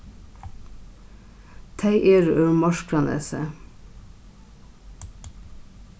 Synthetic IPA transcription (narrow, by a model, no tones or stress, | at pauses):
t̪ʰæɪʔeːɾʔœɹmɑʃkɾɑnḛːsə̰